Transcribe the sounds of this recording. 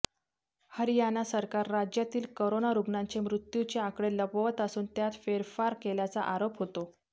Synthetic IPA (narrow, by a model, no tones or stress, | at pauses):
həɾjanːasəɾkaɾːad͡ʑjat̪iːlkoɾonaɾuɡnaɲt͡ɕemɾut̪jut͡ɕeakɽeləpʋət̪əsuːnt̪jat̪feɾfaɾkeljat͡sa̰ʔaɾopɦot̪o